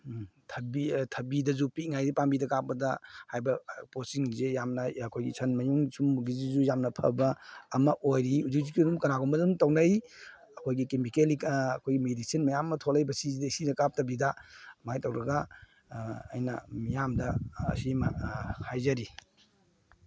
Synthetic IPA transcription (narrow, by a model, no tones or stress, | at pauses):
tʰɐbitʰɐbidɐzupitŋajdipambidɐkap̚pɐdɐhajbɐposiŋzejamnɐɐkʰojɡisʰɐnmɐjuŋsumɡizizujamnɐpʰɐ̰bɐːmɐʔojɾihud͡ʒuk̚zikidumkɐnaɡɔmbɐdumtɐwnɐj | ɐkʰojɡikemikeliɐkʰojɡimedisinmɐjamːɐtʰolɐjbɐsizidɐisidɐkap̚tɐbidɐmajtɐwɾɐɡaː | jnɐ̰mijamdɐ̰ːsimahajzɐɾi